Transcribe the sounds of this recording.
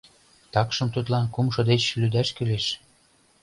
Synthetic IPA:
t̪ɑkʃɤ̆mt̪ut̪lɑnkumʃɤ̆d̪et͡ɕlyd̪æʃkyleʃ

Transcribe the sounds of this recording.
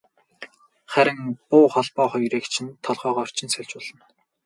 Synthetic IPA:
χæɾʲɪ̆ŋpʊːχɔɮpɔːχɔjreːkt͡ɕʰɪ̆nt̪ʰːɔɮʁœːʁɔːr̥t͡ɕʰɪ̆nsœɮʲt͡ɕʊːɮ̥ə̆n

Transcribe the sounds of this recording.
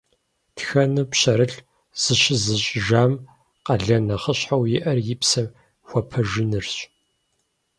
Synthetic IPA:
txɐnɨpɕɐɾɨɬ | z̥ɨɕɪzɨɕʼʒaːm | qɐɮɐnɐχəɕħawjɪʔɐrjɪpsɐ | xʷɔpʰɐʒɪnɨrɕʼ

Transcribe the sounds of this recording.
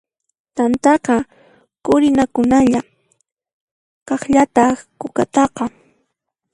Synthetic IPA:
t̪ant̪ɑqɑ | kʊɾɪnakʊnaʎa | kɑχʎat̪ɑχkʊkat̪ɑqɑ

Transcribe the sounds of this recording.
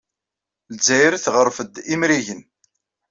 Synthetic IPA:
lzæjɾθʁəɾˤfəd̪imɾiʝən

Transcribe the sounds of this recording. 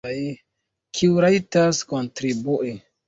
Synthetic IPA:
j | kʰiuɾajtaskontɾibuʔe

